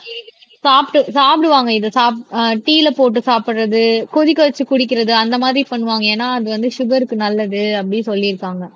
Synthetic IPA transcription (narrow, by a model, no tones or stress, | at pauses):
saːpʈɯsaːpɪɽɯʋaːŋɡɐɪðɐsaːp̚ʈiːlɐpoːʈːɯsaːpɪʈrɐðɯkɔðɪkːɐʋɐt͡ʃːɯkʊɽɪk̬ːɪɾɐðɯɐnd̪ɐmaːðɪɾipɐɳːɯʋaːŋɡɐeːnːaːɐðɯʋɐnd̪ɯʃʊɡɐɾɯkːɯnɐlːɐðɯɐpːɐɽɪsɔlːɪɾɯkːaːŋɡɐ